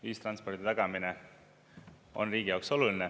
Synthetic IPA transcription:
viːst̪rɑnspo̞rɾd̪it̪ɑɡ̥ɑmine | o̞̰nriːɡ̥ijɑwkso̞luline

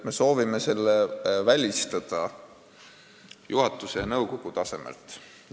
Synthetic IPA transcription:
me̞so̞ːvime̞se̞lːevælʲist̪ɑd̪̥ɑ | juɦɑt̪ːˑusejɑnɤwko̞ɡ̥ut̪ɑse̞mḛlt̪ˑ

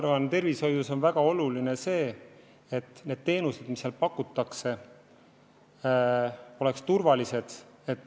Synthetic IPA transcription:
ɑrvɑnt̪e̞rvisho̞jd̪uso̞nvæɡ̥ɑo̞luline̞se̞ː | et̪ːˑne̞ːd̪̥̚t̪e̞ːnused̪̥misːjelpɑkːˑut̪ːˑɑkse̞ | o̞le̞kst̪urvɑlise̞d̪̥ | e̞t̪ːˑ

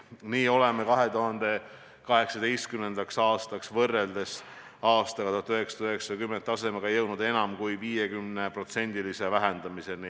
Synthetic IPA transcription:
niːo̞le̞me̞kɑɦe̞t̪uɦɑnd̪̥e̞ | kɑɦe̞ksɑd̪ejst̪̚kyme̞nd̪ɑksɑːst̪ɑksvɤrːe̞ld̪e̞s | ɑːst̪ɑɡɑt̪uɑt̪yɦe̞ksɑ̥t̪yɦe̞ksɑkymːent̪ːˑɑse̞meɡ̥ɑjɤwd̪ud̪̥e̞nɑmkujviːjekymne̞pro̞t̪se̞nʲd̪ilise̞væɦend̪ɑmise̞ni

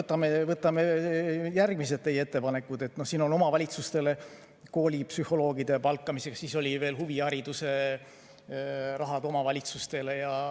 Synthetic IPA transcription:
ɤt̪ːˑɑmevɤt̪ːˑɑme̞jærɡ̥mis̬e̞d̪̥̚ne̞jeet̪ːe̞pɑne̞kːˑud̪e̞t̪ːˑno̞hsiːno̞no̞mɑvɑlʲit̪sust̪e̞le̞ | ko̞ːlʲipsyho̞lo̞ːɡ̥id̪̥e̞pɑlkˑːɑmise̞kssiːso̞lʲive̞ːlɦuviɑɾid̪̥use̞ | rɑɦɑd̪̥o̞mɑvɑlʲit̪sust̪e̞le̞jɑ

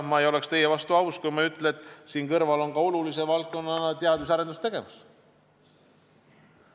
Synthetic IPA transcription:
mɑejo̞le̞kst̪e̞jevɑst̪uɑwskujmɑyt̪ˑlet̪ːˑsiːnkɤrvɑlo̞ŋkɑo̞lulise̞vɑlt̪̚ko̞nːɑnɑt̪eɑd̪̥vus̬ɑɾe̞nd̪ust̪e̞ɡ̥e̞vus

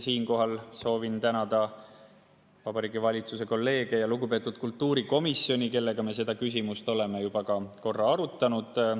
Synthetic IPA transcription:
siːnko̞ɦɑlso̞ːvint̪ænɑd̪̥ɑ | vɑbɑɾiːɡivɑlʲit̪suse̞ko̞lːe̞ːɡ̥ejɑluɡupe̞t̪ːˑud̪̥̚kult̪ːuːɾiko̞misːjo̞nʲike̞lːe̞ɡ̥ɑme̞s̬e̞d̪̥ɑkys̬ʲimust̪o̞le̞mejub̥ɑkɑko̞rːɑɑɾut̪ˑːɑnud̪̥

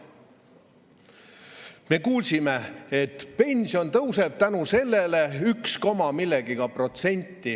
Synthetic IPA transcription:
me̞kuːlʲsime̞et̪ːpe̞nʲsio̞nt̪ɤwse̞b̥̚t̪ænuse̞lːe̞le̞yksko̞mɑmilːeɡ̥iɡ̥ɑpro̞t̪se̞nʲt̪ːi

